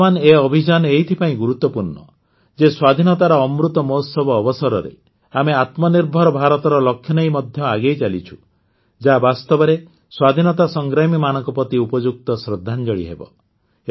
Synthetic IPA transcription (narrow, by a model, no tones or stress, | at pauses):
aneɔbʱid͡ʒaneɦit̪ʰipaĩɡuɾut̪ːɔpuɾnɔ̰ | d͡ʒeswad̪ʱinɔt̪aɾɔːmɾut̪ɔmɔsɔbɔːbɔsɔɾɔ̰ɾḛ | ameat̪mɔniɾbʱɔɾɔbʱaɾɔt̪ɔɾɔlɔkʰːjɔnejmɔd̪ʱjɔaɡejt͡ʃalit͡ʃʰu̥ | d͡ʒabast̪ɔbɔɾe | swad̪ʱinɔt̪asɔŋɡɾamimanɔ̃ŋkɔpɔt̪iupɔd͡ʒuk̚t̪ɔsɾɔd̪ʱːand͡ʒɔɭḭɦḛbɔ̰